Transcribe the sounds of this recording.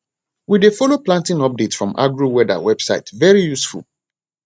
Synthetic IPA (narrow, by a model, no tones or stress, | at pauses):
widefɔloplãntĩnɔp̚detsfɹɔ̃mʔa̰ɡɹuwɛda̰wɛb̥saɪtvɛɹijusfṵl